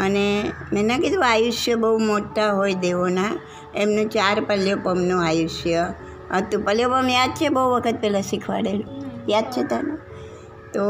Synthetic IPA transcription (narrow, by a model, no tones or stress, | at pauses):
ənemɛ̃nãkid̪ũajuʃjəbəumoʈːaɦojd̪eʋona | emnũt͡ʃaɾpəljopəmnũajuʃjə | ət̪ũpəljopəmjad̪̚t͡ʃʰebəuʋəkʰət̪̚pɛlãsikʰʋa̰ɽelũjad̪̚t͡ʃʰet̪anu | t̪o